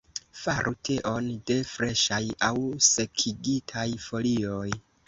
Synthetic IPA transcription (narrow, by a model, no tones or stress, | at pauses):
faɾʔutʰe̞ʔo̞nde̞fɾe̞ʃajawse̞kʰiɡitʰajfo̞lio̞j